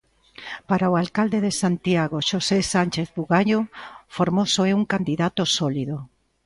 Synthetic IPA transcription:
paɾaoalkald̪eðesant̪jaɣ̞oʃosesanʲt͡ʃeθβuɣaɲofoɾmosoɛuŋkand̪iðat̪osɔliðo

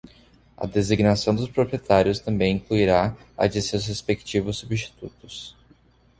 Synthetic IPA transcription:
ɐ̰d̪eziɡnasɐ̃w̃d̪ʊspɾopɾiet̪aɾjʊst̪ɐ̃mbẽj̃ĩŋkluiɾaa̰d͡ʒɪsewshespekt͡ʃivʊsːubist͡ʃi̥t̪ut̪ʊs

